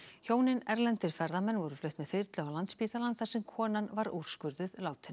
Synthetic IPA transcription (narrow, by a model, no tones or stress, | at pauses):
çoːwnɪnɛɾlɛnt̪ɪɾ̥fɛɾðamɛnːvɔɾʏflœɥht̪mɛðfɪɾt̪lʏawlant̪spiːt̪alant̪θḁsɛmkʰɔːnanvaɾṵɾ̥skʏɾðʏðlaːwt̪ʰɪn